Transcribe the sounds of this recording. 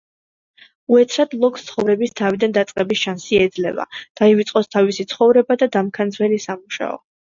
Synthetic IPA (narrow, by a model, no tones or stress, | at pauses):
uɛt̪sʰɾad̪lˠɔkst̪sʰχɔvɾɛbist̪ʰavid̪and̪at̪sʼqʼɛbisʃansiɛd̪zlɛva̰d̪̥aivit̪sʼqʼɔst̪ʰavisit̪sʰχɔvɾɛbad̪ad̪amkʰand̪zvɛlisamuʃa̰ɔ̰